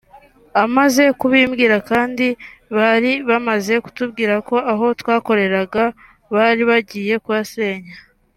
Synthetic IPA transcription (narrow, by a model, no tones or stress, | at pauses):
amaze̞kuβiːmɡiːɾakaːndiβaɾiβamaze̞ku̥tub̚ɡiːɾako̞ʔaɦo̞twaːko̞ɾe̞ɾaɡa | βaɾiβaɟiːje̞kuβase̞ːɲa